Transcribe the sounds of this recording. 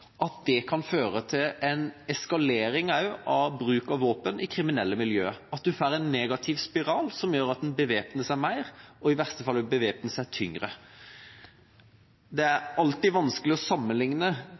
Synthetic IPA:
ʔɑt̪̚d̪ɛkʰɑnføːɾət̪ʰɪlɛnɛskɑleːɾɪŋɑʉɑʋbɾʉːkɑʋʋoːpənʔɪkʰɾɪmɪnɛlːəmɪljøːɑt̪̚d̪ʉfæːɾɛnːeːɡɑt̪ʰɪʋspɪɾɑːlsɔmjøːɾɑt̪̚ɛnbəʋeːpnəsæɾmæɪɾɔɪʋæʁst̪əfɑlːɛbəʋeːpnəsəæt̪ʰʏŋɾə | d̪ɛæɾɑlt̪ɪʋɑnskəlɪɔsɑmːənlɪŋnə

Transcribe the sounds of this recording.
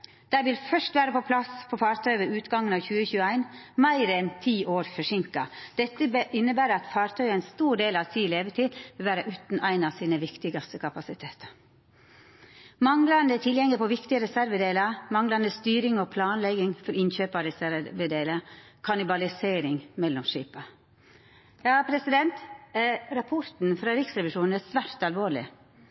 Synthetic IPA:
d̪̥æʋɪlfœʂt̪ʋæːɾəpɔpʰlɑspʰɔfɑːɾt̪ʰœʏʋəʉːt̪ɡɑŋːənɑʋçʉːəçʉːəæɪnmæɪɾɛnt̪ʰiːʔoːɾfɔʂɪŋkɑd̪̥ɛt̪ːəbʔɪnːəbæːɾəɑt̪fɑːɾt̪ʰœʏənst̪uːɖeːlɑʋsʰiːleːʋət̪ʰiːd̪ʋɪlʋæːɾəʔʉːt̪n̩æɪnɑʋsiːnəʋɪkt̪ɪɡɑst̪əkʰɑpɑsɪt̪ʰeːt̪ə̥ɾ | mɑŋlɑnd̪əɛt̪ʰɪljɛŋləpʰɔʋɪkt̪ɪəɾɛsæɾʋəd̪eːlɑmɑŋlɑnd̪əst̪yːɾɪŋɔpʰlɑːnlɛɡɪŋfɔɾɪnçøːpɑɾɛsæɾʋəd̪eːləkʰɑnɪbɑlɪseːɾɪŋmɛlːɔmʂḭːpɑ | jɑːpʰɾɛsɪd̪ɛnt̪ | ɾɑpʰɔɾt̪n̩fɾɑːɾɪksɾɛʋɪʂuːn̩æsʋæɾt̪ɑlʋoːɭɪ̰

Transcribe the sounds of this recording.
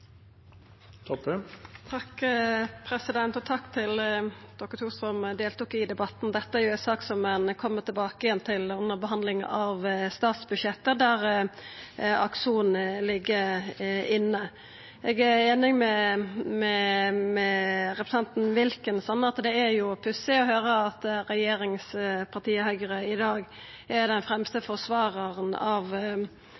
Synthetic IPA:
t̪ʰɑkːpʰɾɛsɪd̪ɛnt̪ɔt̪ʰɑkːt̪ʰɪld̪̥ɔkːəɾt̪ʰuːstɔmd̪eːlt̪uːkɪd̪ɛbɑt̪ːn̩d̪ɛt̪ːəæɾjʊɛnsɑːksɔmɛnkʰɔmːət̪ʰɪlbɑːkəjɛnt̪ʰɪlʉnːəɾbəɦɑnd̪lɪŋʔɑʋst̪ɑːt̪sbʉdʃjɛt̪ːəd̪æɾ | ɑkʂuːn̩lɪɡːəɾɪnːə | ɛɡæeːnɪŋmɛmɛmɛɾɛpɾə̥sɑnt̪nʋɪlkənsɔnːəɑt̪d̪ɛæɾjʊpʰʉsɪɔɦøːɾəɑt̪ɾɛjeːɾɪŋspʰɑʁt̪iːəhœʏɡəɾəɪd̪ɑːɡ | æɾd̪ɛnfɾɛmst̪əfɔsʋɑːɾɑʁənɑʋ

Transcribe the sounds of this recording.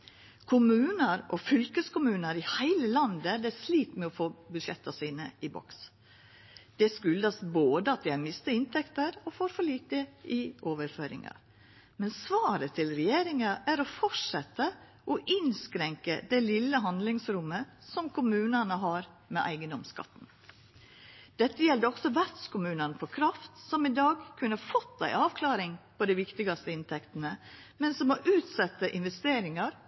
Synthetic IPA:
kʰʊmʉːnəɾʔɔfʏlkəskʊmʉːnəɾɪhæɪləlɑnd̪əd̪ɛsliːt̪mɛɔfoːbʉd̪ʃɛt̪ːɑsiːnəɪbɔ̰ks | d̪̥ɛskʉld̪ɑsboːd̪əɑt̪̚d̪ɛɪɑɾmɪst̪əɪnt̪ʰɛkt̪əɾɔfoːɾfɔɭiːt̪əɪoːʋəɾføːɾɪ̰ŋɑ̰ | mɛnsʋɑːɾət̪ʰɪlɾɛjeːɾɪŋɑʔæɾɔfɔʈʂɛt̪ːə | ʔɔʔɪnskɾɛŋkəd̪ɛlɪlːəɦɑnd̪lɪŋsɾʊmːəsɔmkʰʊmʉːnɑnəɦɑːɾ | mɛʔæ̰ɪɡənɔmskɑ̰t̪ːn̩ | d̪̥ɛt̪ːəjɛld̪əɔksɔʋæɾt̪skʊmʉːnɑnəfɔkʰɾɑft̪sɔmɪd̪ɑːɡkʰʉnːəhɑɾfɔt̪ːæ̰ɪʔɑːʋkʰlɑːɾɪŋpɔd̪æɪʋɪkt̪ɪɡɑst̪əɪnt̪ʰɛkt̪ənə | mɛnsɔmɔʔʉːt̪sɑt̪ːəʔɪnʋɛst̪eːɾɪŋɑɾ

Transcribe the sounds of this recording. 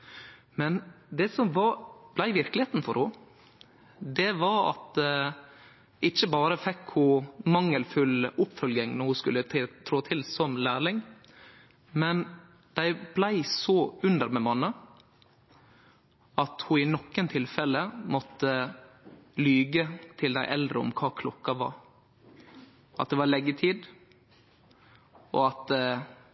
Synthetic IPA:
mɛnd̪ɛsɔmʋɑb̥læɪʋɪɾklɪheːt̪n̩fɔɾhʊ | d̪ɛʋɑɾɑ̰t̪̚ | ɪçːəbɑːɾəfɛkhʊmɑŋːəlfʉlʊpfœlɡɪŋnɔɾhʊskʉlːət̪ʰt̪ʰɾoːt̪ʰɪlsɔmlæːɾlɪŋ | mɛn | d̪̥æɪblæɪsɔʉnd̪əɾmɛmɑnːə | ɑt̪hʊɪnɔkːənt̪ʰɪlfɛləmɔt̪ːə | lyːɡət̪ʰɪld̪æɪʔɛld̪ɾəɔ̰mkʰɑːkʰlɔkːɑʋɑ̰ɾ | ʔɑ̰t̪̚d̪ɛʋɑɭɛɡːət̪ʰiːd̪ | ʔɔɑt̪̚d̪ɛ

